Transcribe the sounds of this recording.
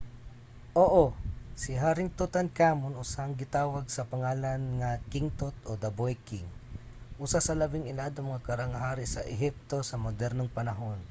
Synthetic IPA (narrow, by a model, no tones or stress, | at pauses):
ʔoːʔosɪɦaːɾɪŋt̪ʊt̪ɐnkaːmonʔʊsaŋɡɪt̪aːwɐɡ̚sɐpɐŋaːlɐnŋɐkɪŋt̪ot̪ʔod̪ɐbojkɪŋ | ʔusasɐlɐbɪŋɪlad̪omŋakɐɾaŋɐɦaːɾɪsɐʔɛɦip̚t̪o̞sɐmod̪ɛɾnoŋpɐnɐɦo̞n